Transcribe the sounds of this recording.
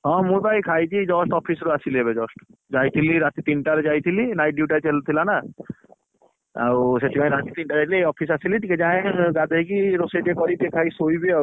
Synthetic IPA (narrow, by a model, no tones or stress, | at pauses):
ɦɔ̃mũbajkʰajt͡ʃid͡ʒɔsʈɔpʰisɾuasiliebed͡ʒɔsʈd͡ʒajt̪ʰiliɾat̪it̪inʈaɾed͡ʒajt̪ʰilinajɖjuʈat͡ʃɦelut̪ʰilana | a̰wset̪ʰibʱaj̃ɾat̪it̪inʈaɾeʈleejɔpʰis̬asilit̪iked͡ʒaẽɡad̪ʱejkiɾoseʈekɔɾit̪ekʰajsojbiaw